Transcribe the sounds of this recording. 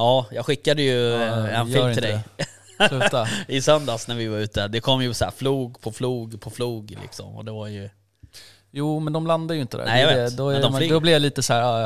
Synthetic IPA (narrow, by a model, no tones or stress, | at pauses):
jɑːjɑːɡɧɪkːad̪əjɵɛnfɪɪld̪ɛj̪ | aɪsœnd̪asnæɾvɪvaɾʉ̟ːt̪əd̪ɛkʰɔmːjɵsæ̰fluːɡpʰɔfluːɡpʰɔfluːɡlɪ̰ksɔ̰mɔ̰d̪ɛvaɾjɵ | juːmɛnd̪ɔmland̪adjʏɪnt̪əd̪æ̰æjjad̪ɔd̪ɔd̪ɔblɪvjaliːt̪əsæːɾa